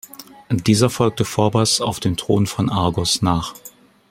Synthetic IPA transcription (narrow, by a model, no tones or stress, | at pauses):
d̥iːzɐfɔlk̚təfoːɐbasaʊfd̥eːmtʁ̥oːnfɔnʔaɐɡɔsnaːχ